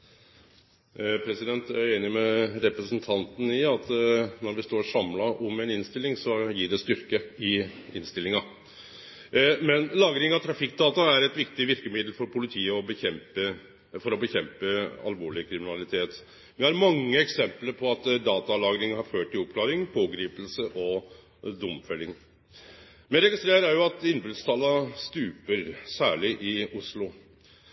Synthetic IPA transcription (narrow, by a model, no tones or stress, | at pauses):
pʰɾɛsɪd̪ɛnt̪æeːnɪmɛɾɛpɾəsənt̪ʰɑnt̪n̩ɪɑt̪nɔɾʋɪst̪oːɾʂɑmlɑʔɔmɛnɪnst̪ɪlːɪŋsɔjiːɖɛst̪ʏɾkəɪɪnst̪ɪlɪŋɑ | mɛnlɑːɡɾɪŋɑt̪ʰɾɑfɪk̚ːd̪ɑːt̪ɑæɾɛt̪ʋɪkt̪ɪʋɪɾkəmɪd̪l̩fɔɾpʰʊlɪt̪ʰiːəɔbɛmpə | fɔɾɔbəçɛmpəɑ̰lʋoːɭɪkʰɾɪmɪnɑlɪt̪ʰeːt̪ | ʋɛæɾmɑŋːəɛksɛmpləɾpʰɔɑt̪d̪ɑːt̪ɑlɑːɡɾɪŋhɑɾføːʈɪɔp̚kʰlɑːɾɪŋpʰoːɡɾiːpl̩səʔɔ | d̪ʊmfɛlːɪŋ | mɛɾɛɡɪst̪ɾeːɾæɾjʊɑt̪ɪnbɾʉd̪st̪ʰɑlɑst̪ʉːpəɾsæːɭɪʔɪʊslʊ